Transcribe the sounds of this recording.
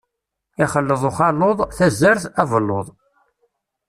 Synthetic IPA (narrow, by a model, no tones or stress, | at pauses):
ɪχəlːəðˤoχɑloðˤθæzːəɾθævəlːoðˤ